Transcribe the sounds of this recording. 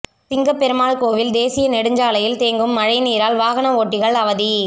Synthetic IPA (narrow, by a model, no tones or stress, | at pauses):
sɪŋɡɐpːɛɾɯmaːɭkoːʋɪld̪eːsɪjɐnɛɽɯɲd͡ʒaːlɐjɪlt̪eːŋɡɯmːɐɻɐɪniːɾaːlʋaːɣɐnɐoːʈːɪɣɐɭɐʋɐði